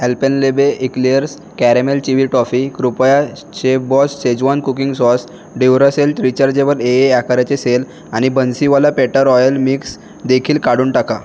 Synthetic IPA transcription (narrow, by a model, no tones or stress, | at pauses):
ɦelpenlebeʔikliəɾs | kæɾemelt͡ɕiʋiʈɾɔfikɾupja | t͡ɕebɔsːed͡ʑʋankukiŋɡsɔs | ɖiʋɾəselʈɾit͡ɕaɾd͡ʑeʋəɾeeakaɾjat͡sesel | aɽ̃ibənsiʋalapeʈəɾɔjəlmiks | d̪ekʰiːlkaɽuːɳʈaka